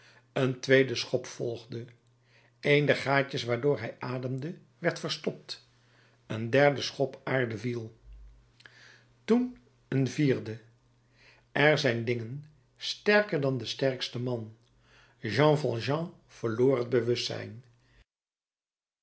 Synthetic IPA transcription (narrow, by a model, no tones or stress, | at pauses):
əntʋejdəsχɔpfɔlˠχdə | ejndɛɹχaːcəsʋaːɹdʊːɹɦɛjaːdəmdə | ʋɛɹtfəɹstɔp̚t | əndɛɹdəsχɔpaːɹdəvilˠ | tun | ənviːɹdə | ʔɛɹzɛjndɪŋən | stɛɹkəɹdɑndəstɛɹkstəmɑn | ʒɑ̃fɑlˠʒɑ̃ | v̥əɹloːɹrəd̚bəʋɵstsɛ̰jn